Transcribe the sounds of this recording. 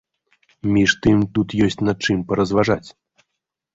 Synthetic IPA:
mʲiʂt̪ɨmt̪ut̪jɔsʲt͡sʲnat͡ʂɨmpɐɾɐzvaʐat͡sʲ

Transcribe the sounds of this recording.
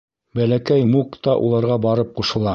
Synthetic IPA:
bælækæjmukt̪ɑʔṵlˠɑɾʁɑbɑɾɤp̚quʃɤ̆lˠɑ

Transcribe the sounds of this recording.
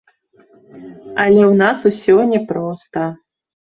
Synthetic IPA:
ɐlʲɛwnasusʲɔnʲɛpɾɔst̪ɐ

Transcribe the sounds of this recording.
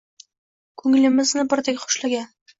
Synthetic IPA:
kʰɵŋlɪ̆mɪznɪbɪɾd̪ekʲχʊ̥ʃlaɡʲan

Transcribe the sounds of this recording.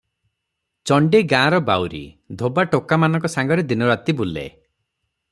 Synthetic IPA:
t͡ʃɔɳɖeɡãːɾɔbawɾḭd̪ʱobaʈokamanɔŋkɔsaŋɡɔɾed̪inɔɾat̪ibulḛ

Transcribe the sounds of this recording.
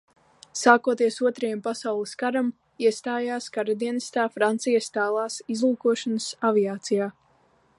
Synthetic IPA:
saːkuɔt̪iɛsuɔt̪ɾajɛmpasawlˠɨskaɾam | iɛst̪aːjaːskaɾad̪iɛnist̪aːfɾant̪sijast̪aːlˠaːsizlˠuːkuɔʃanəsaviaːt̪sijaː

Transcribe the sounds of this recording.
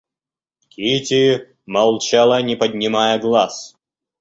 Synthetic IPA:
kʲʰitʲi | mɐlˠt͡ɕalˠanʲɪpəd̪ʲnʲɪmajəɡlˠas

